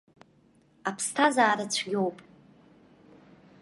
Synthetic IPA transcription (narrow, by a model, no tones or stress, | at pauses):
apʰstʰazaːɾat͡ɕʷʰɡʲowpʼ